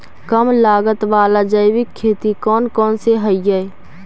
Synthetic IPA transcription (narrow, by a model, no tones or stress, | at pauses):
kəmlaːɡət̪ʋaːlad͡ʒəɪʋɪkʰːeːt̪ikɔːnkɔːnseɦəɪjəe